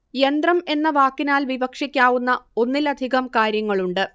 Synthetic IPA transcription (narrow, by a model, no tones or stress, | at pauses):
jend̪rɐme̞nːɐʋaːkːinaːlʋibɐkʂikʲːaːʋunːɐo̞nːilɐd̪ʱiɣɐmkaːɾjɐŋːɐɭuɳɖɨ